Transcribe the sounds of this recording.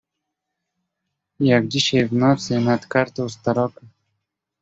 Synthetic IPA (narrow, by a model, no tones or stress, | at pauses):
jakd͡ʑiɕevnɑːt͡senat̪kaɾt̪ost̪aɾɔːka